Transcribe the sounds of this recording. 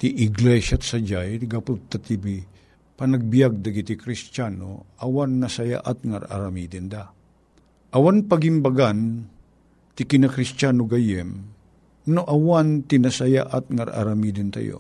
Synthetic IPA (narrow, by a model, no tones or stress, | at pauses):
t̪iʔɪɡlɛsat̪sad͡ʒajɾɡapʊt̪ːat̪ibi | pɐnaɡ̚bijaɡ̚d̪aɡit̪ikɾist͡ʃano̰ʔawanːasaja̰ʔat̪̚ŋaɾʔa̰ɾamid̪ɪnd̪a | ʔawanpɐɡimbaɡan | t̪ɪkɪnakɾist͡ʃanoɡajɛm | noʔawant̪ɪnasaja̰ʔat̪̚ŋaɾa̰ɾamid̪ɪnt̪a̰jo̰